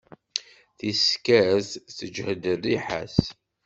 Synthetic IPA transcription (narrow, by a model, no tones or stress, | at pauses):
θiskæzθəd͡ʒhəd̪ərːiħa̰s